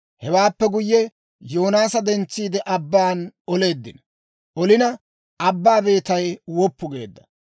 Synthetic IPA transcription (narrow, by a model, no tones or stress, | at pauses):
hɛwaːpːɛɡʊjːɛ | jo̞ːnaːsɐd̪ɛnt͡sːiːd̪ɛʔɐbːaːnɔle̞ːd̪ːɪnɐ | ʔɔlɪnɐ | ʔɐbːaːbe̞ːt̪ɐjwɔpːʊɡe̞̰ːd̪ːɐ̥